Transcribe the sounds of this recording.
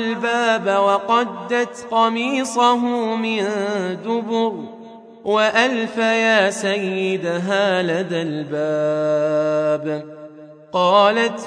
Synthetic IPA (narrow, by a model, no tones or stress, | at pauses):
lbaːbawɑqɑd̪ːat̪qɑmiːsˤɑɦʊmɪnd̪ʊbʊɾ | waʔalfajaːsajːɪd̪aɦaːlaðalbaː | b | qɑːlat̪